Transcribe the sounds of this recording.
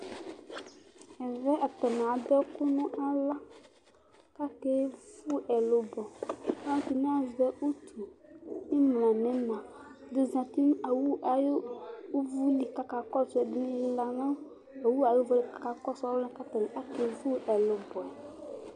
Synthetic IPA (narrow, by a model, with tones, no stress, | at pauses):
ɛ˨vɛ˦a˨t̪ɔ˨nɛ̃˨a˨d̪ɔ˦ku˦nũ˦ʔa˦la˦ | ka˦ke˦vu˦ɛ˨lo˨bɔ˨a˦t̪i˨nɛ̃˦a˨zvɛ˦ʔu˦t̪ʰu˨ni˦mlã˨nɛ̃˨mã˨ | d̪u˨zã˨t̪i˦a˨wu˦ʔa˨jo˦u˦vu˦li˨ka˨ka˨kɔ˦t͡ʃɔ˨˦ɛ˨d̪i˦nĩ˦la˨nã˦ | a˨wu˦a˨jo˦vɔ˦li˨ka˨ka˨kɔ˦sɔ˦ɛ̃˦ka˦t̪a˨nɛ̃˨ʔa˦ke˨˦vu˦ɛ˨lo˨bɔ˨ɛ˨